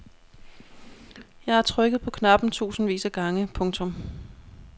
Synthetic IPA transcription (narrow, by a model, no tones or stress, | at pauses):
jɑ̈ɪæɐt͡sʰʁœɡ̥ð̩ˠpʰɒ̽kʰnɑ̈b̥n̩t͡sʰṵːsn̩ʋḭːsæɡ̥ɑ̈ŋəpʰɔ̽ŋt͡sʰɔ̽m